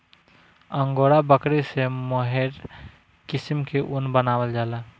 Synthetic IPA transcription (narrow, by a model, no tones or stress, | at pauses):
əŋɡoɽabəkɾesemoɦeɾ | kisimkeʔunbənawəld͡ʒaːla